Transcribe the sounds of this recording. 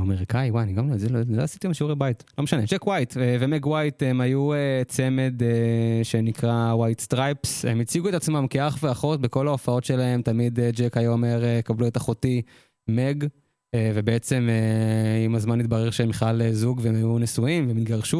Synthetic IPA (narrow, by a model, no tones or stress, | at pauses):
ameʁikaiwaaniɡamloazilonida̰asit̪imʃeuʁebajt̪lo̞meʃane̞d͡ʒekwajt̪evemeɡwajt̪emajuet͡se̞me̞d̪eʃe̞nikʁawajt̪st̪ʁajpsḛmit͡siɡuet̪at͡smamkeaχveaχo̞t̪beko̞lao̞fao̞t̪ʃe̞lae̞mt̪amid̪ed͡ʒekajomeʁekabluet̪aχot̪i | meɡ | ve̞beet͡se̞meimazmanːit̪baʁeʁʃemiχlalezuɡveemajunesuimvemit̪̚ɡaʁʃu